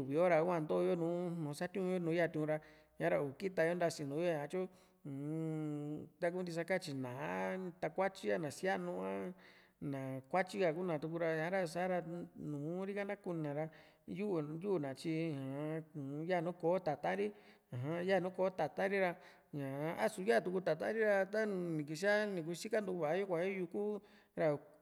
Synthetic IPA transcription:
u˨βi˨o˦ɾa˧˦ã˧˨nd̪o˦˧jo˦nũː˨˦nũː˨˦sa˦t̪ʲũ˦ũ˧jo˦nũ˨˦ja˦˨t̪ĩ˧ũ˧ɾa˧ | ɲã˨˦ɾa˧u˨ki˦t̪a˧jo˦nɾa˧sĩ˧˨nũ˨˦o˦˨ã˧t͡ʃõ˦˨ | t̪a˧ku˧˦nd̪i˧s̬a˧ka˦t͡ʃi˧nã˨a˦t̪a˧kʷa˦t͡ʃi˦a˦nã˨sja˦nũ˧ã˦ | nã˨kʷa˦t͡ʃi˦ka˧˨ku˦nã˨t̪u˧k̬u˧ɾa˧ɲã˨˦ɾa˧sa˦ɾa˧nũː˨˦ɾi˦ka˦nã˦ku˧nã˨ɾa˧ | ju˦ʔju˦˨nã˨t͡ʃi˧ã˨˦ũ˨˦ja˦˨nũ˦koː˨˦t̪a˨t̪ã˦ɾi˦ | ã˨ɦã˦ja˦˨nũː˦koː˨˦t̪a˨t̪ã˦ɾi˦ɾa˧ | ɲã˨˦a̰˦su˧ja˦˨t̪u˧ku˧t̪a˨t̪ã̰˦ɾi˦ɾa˧t̪a˦˧nĩ˨k̬i˧s̬i˦a˦nĩ˨k̬u˧si˦ka˦nd̪u˧βa˨˦ju˦kʷã˨˧ĩ˦ju˧ku˦ | ɾa˧

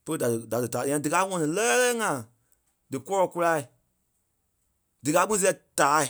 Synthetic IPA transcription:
pə˦lə˦˧da˨dɨ˨da˨dɨ˨tãː˨˦ã˧˦dɨ˨ka˧˦ŋɔ̃˧˦nĩ˨lɛː˦lɛ˦ŋã˨ | dɨ˨kɔ˦lɔ˨ku˧la˧i˨ | dɨ˨ka˧˦k͡pũ˦s̬i˦ɛ˧˦taː˨˦˨

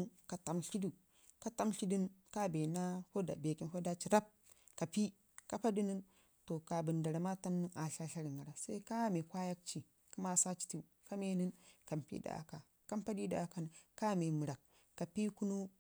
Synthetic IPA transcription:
nka˨ta˨mɬi˦du˨ | ka˦ta˦mɬi˦di˦nka˦be˨na˦ho˦da̰˨be˨ki˦nho˦da˦t͡ʃi˨ɾa˦p̚ | ka˨pi˦ | ka˦pa˦di˦ni˦n | to˨ka˨bɨ˨nda˨ɾa˨ma˦ta˦mni˦na˨ɬa˦ɬa˦ɾi˨ŋɡa˨ɾa˨sa˦i˦ka˦me˨kʷa˦ja˦k̚t͡ʃi˨ | ku˦ma˦sa˦t͡ʃi̥˦ti˦˨ka˦me˦ni˦nka˨mpḭ˦da̰˨a̰˨ka˨ | ka˦mpa˦di˦da̰˨ka˨n˨ka˦me˨mɨ˨ɾa˨kː | a˨pi˦ku˦nu˦

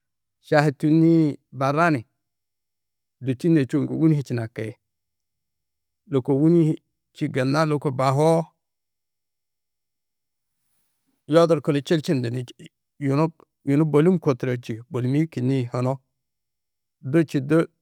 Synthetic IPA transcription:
ʃa˨hi˨tu˦ni˦ba˨ɾa˦ni˨ | do˨t͡ʃi˦ne˨t͡ʃo˦˨ko̰˨wu˦ni˦hi˨t͡ʃi˨na˨ke˨ | lo˨ko˨wu˦ni˦ | t͡ʃi˦ɡe˨nːa˦lo˨ko˨ba˨ɦo˦ | jo˦do˨ɾko˨ne˨t͡ʃe˦lt͡ʃi˦nde˨ni˨ | ju˨no˦ | ju˨no˦bo˨li˦mko˨tɾo˨t͡ʃi˨bo˨li˨mi˦ki˨ni˦ho˨no˦ | do˦t͡ʃi˨do˦

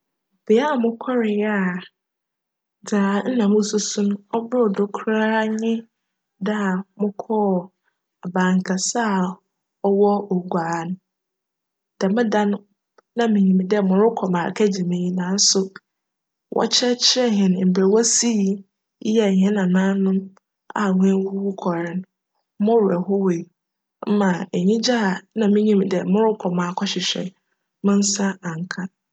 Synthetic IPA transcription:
b̥e˨˦a˦˨mʊ̃˦kʰɔ˦ɾɪ˨ja˦˨ | daː˨n̩˦nã˨mʊ̃˦sʊ˦sʊ̃˦n˦ɔ˦bʊ˦˨dʊ˨kʰɾa˦ɲɪ̃˦ | da˦a˨mʊ̃˦kʰɔː˦˨ | a˨bãː˨ŋ˨kʰa˨sa˦˨ | ɔ˦wɔ˦ɔ˨ɡʷaː˨n˦ | d̥a˨mɪ̃˦dã˦nː˦ | ã˦mĩ˨ɲĩ˨mĩ˨dɛ˦˨mʊ̃˨ɾʊ˦kʰɔ˨mã˨kʰæ˦d͡ʑi˨mẽ˨ji˦nãː˨n̩˦sʊ˨ | wʔɔ̰˦t͡ɕʰɛ˦t͡ɕʰɛ˦ɦɪ̃˨n˨m̩˨be˨wɔ˦si˦˨˦ | jɛ˨hɛ̃˦nã˨nãː˦nʊ̃˦m | a̰˨ŋʷ˦ɛ̃˦wwu˦kʰɔ˨ɾɪ̃˦n | mʊ̃˦ɾɛ˨hɔ˦we˨i˨ | m̩˦mã˨e˨ɲĩ˦d͡ʑa˦a˨nã˨mĩ˦ɲĩ˦m˨˦dɛ˨mʊ̃˦ɾʊ˦kʰɔ˨mãː˨kʰɔ˦ɕɪ˨ɕᶣɛ̰˨ | mɪ̃˦n̩˦sa˦ã˨ŋ˨kʰa˦

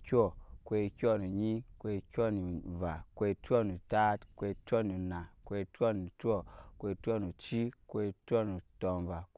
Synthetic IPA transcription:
kʲɔ˦˨kʷwe˧kʲo˦˨nu˨ɲi˦kʷe˧kʲɔ˦ni˨va˨kʷe˧to˦˨nu˨ta˦tkwe˧to˦ni˨na˨kʷe˧to˦˨ni˨tɔ˦˨kʷe˧to˦˨nu˨t͡ʃi˦kʷe˧to˦nu˨to˨nva˨

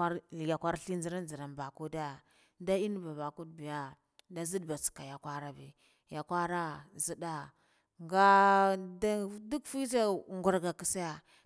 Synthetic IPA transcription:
a˦ɾja˨kʷa˦ɾɬi˦nd͡zi˦ɾa˦nd͡zi˨ɾa˨nba˨ku˦da˦ | da˦i˦n˦ba˨ba˨ku˦dbi˨ja˦ | da˦zi˦dba˨t͡ska˨ja˨kʷa˦ɾa˦bi˨ | ja˨kʷa˦ɾa˦zi˦da˦ | ŋɡa˦da˦du˦kfi˦ta˦ŋɡu˨ɾɡa˨ki˨sa˦ja˨

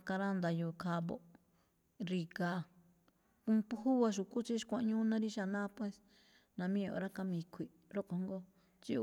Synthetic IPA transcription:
ka˧ɾa˦nd̪a˧ju˧˨kʰa˧βo̰˧˨ | ɾi˧ka˧ | kũ˧pu˧˦hu˦βa˧ʃ̬u˨ku˦t͡ʃi˦ʃkʷã˧˦ɲũː˦nã˦ɾi˦ʃa˧nãː˦pwe˦s | nã˧mĩ˦o̰˨ɾa˦ka˧mĩ˧kʷʰi˨ | ɾo˦ko˧ŋɡo˦ | t͡ʃi˦˧

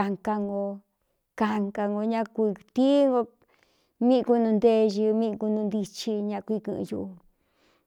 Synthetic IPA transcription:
a˧ŋka˧ŋɡo˧ | ka˧ŋka˧ŋɡo˧ɲã˦˧kʷi˧t̪i˦ŋɡo˧ | mĩ˦˧ku˧nũ˧nd̪e˦˧ʒi˧mĩ˦˧ku˧nũ˧nd̪i˧t͡ʃi˧ɲã˧kʷi˧kɨ̰̃˧ʔju˧ʔu˧

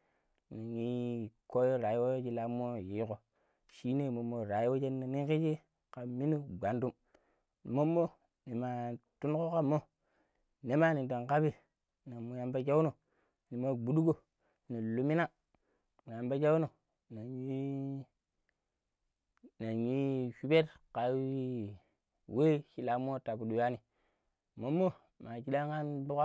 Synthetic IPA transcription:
na˨ɲi˦ko˦jo˦ɾa˨ji˦wo˦jo˦d͡ʒi˦la˦mːo˦ji˨˦ko˨ | ʃi˦ne˦˨mo˨mːo˨ɾa˨ji˦wo˦d͡ʒe˦nːa˨ni˦ki˦d͡ʒi˦ | ka˨mi˦nu˦ɡa˨˦ndu˦m˨ | mo˦mːo˦ | ni˨ma˨tu˦n˦ko˦ka˦mːo˦ | ne˦ma˦ni˨to˨nka˦bi˦ | na˨mu˨ja˨mba˦d͡ʒa˦wu˦no˨ | ni˨ma˨ɡ͡bu˨du˦ɡo˦˨ | ni˨lu˨mi˦na˦ | mu˨ja˨mba˦d͡ʒa˦wu˦no˨ | na˨i˦ | na˨ji˦ʃu˦be˦tka˨˦wi˦ | we˦ki˨la˨m˦o˦ta˨bu˨du˨ja˦ni˨ | mo˦mːo˦ | ma˨ki˦ɗa˦ŋka˦nbu˦ka˦

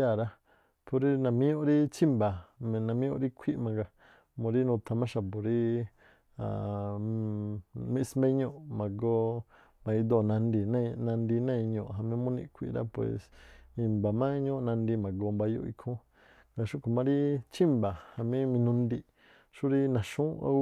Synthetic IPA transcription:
a˦˧˨ɾa˦ | pʰo˧ɾi˦nã˨mĩ˦jõ˦ʔɾi˦t͡ʃi˦mba˨m˧nã˧mĩ˦õ̰˧˦ɾi˦kʷʰi˦ʔmã˧ɡa˧ | mõ˧ɾi˦nũ˧t̪ʰa˧mã˦ʃa˧po˨ɾi˦ | ã̰˨ | mĩ˧˦˧smẽ˦ɲõ˦˨mã˨ɡo˧˦ | mã˧i˧d̪o˧˨nã˧ndi˧nã˦˧nã˧nd̪i˧nã˦ĩ˧ɲõ̰˧˨ʔɦa˧mĩ˦mũ˦nḭ̃˧kʷʰḭ˧ʔɾa̰˦pwḛ˨smĩ˧mba˨mã˦ɲõ˦ʔnã˧nd̪i˧mã˨ɡo˧mba˧jo̰˧˦ḭ˧kʰũ˦ | ŋɡa˧ʃũ˦˧kʰu˨mã˧˦ɾi˦t͡ʃi˦mba˨ha˧mĩ˦mĩ˧nũ˧ndi˧ | ʃu˦ɾi˦nã˨ʃũ˦a̰˦

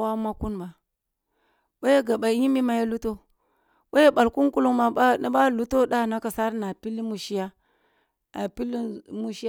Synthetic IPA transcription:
wa˦ma˦ku˦nma˨ | ɓa˦je˦ɡa˨ɓa˨ji˦mi˦ma˨ja˦lu˦to˦ | ɓa˦je˦ɓa˨lku˦nku˦lu˦ŋma˨a˦a˦ba˦lu˦to˦da˦˨na˦ka˨sa˦ɾna˨pi˦li˦mu˨ʃi˦ja˦ | a̰˨pi˦li˦mu˦ʃi˦

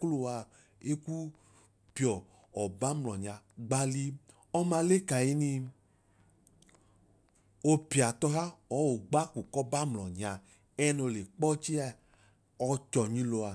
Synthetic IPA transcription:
klo˧a˧ | e˦ku˦ | pjɔ˨ | ɔ˨ba˦mlɔ˨ɲa˧ɡ͡ba˧li˧ | ɔ˦ma˧le˦ka˨ji˦ni˧ | o˧pi˨a˨tɔ˧ɦa˦ɔ˨˦wo˨ɡ͡ba˦ku˨kɔ˦ba˦mlɔ˨ɲa˨ | ɛ˦no˧˨le˨k͡pɔ˦t͡ʃi˦a˧ | ɔ˧t͡ʃɔ˨ɲĩ˧lo˧a˨

